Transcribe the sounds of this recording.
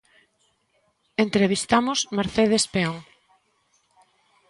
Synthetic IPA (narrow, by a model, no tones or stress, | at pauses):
ent̪ɾeβist̪amosmeɾθeð̞espeoŋ